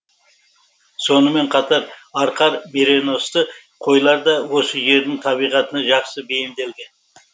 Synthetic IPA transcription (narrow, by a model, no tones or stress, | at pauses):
so̞nəme̞ɴqʰɑt̪ɑɾɑɾqɑɾmeɾe̞no̞st̪ə | qʰo̞jlˠɑɾd̪ɑwo̞səʒe̞ɾd̪ɪŋt̪ʰɑβijʁɑt̪ənɑʒɑqsəbe̞jɪmd̪e̞lɡ̪ɪ